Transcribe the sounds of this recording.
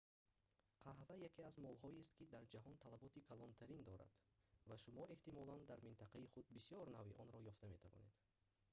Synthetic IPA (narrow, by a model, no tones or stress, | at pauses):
qʰaɦvajakʰeazmɔlɦɔist̪kid̪aɾd͡ʒaɦɔnt̪ʰalabɔt̪ikʰalɔnt̪ʰaɾind̪ɔɾa̰d̪̥vaʃumɔe̞ht̪imɔland̪aɾmint̪ʰaqaiχud̪̚bisijɔɾnaviʔɔnɾɔjɔft̪ame̞t̪ʰavɔ̰ne̞d̪̥